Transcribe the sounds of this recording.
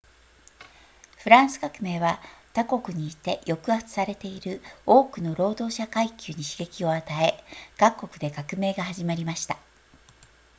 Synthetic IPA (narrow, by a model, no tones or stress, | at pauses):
ɸɯ̟ɾãɰ̃sɨ̥ɡakɯ̟me̞ːβat̪ako̞kɯ̟ɲ̟iːt̪e̞jo̞kɯ̟at͡sɨ̥saɾe̞t̪e̞iɾɯ̟o̞ːkɯ̟no̞ɾo̞ːd̪o̞ːɕakaikʲɨːɲ̟iɕi̥ɡe̞kʲio̞at̪ae̞ɡ̥akːo̞kɯ̟d̪e̞kakɯ̟me̞ːɡahaʑimaɾʲimaɕi̥t̪ḁ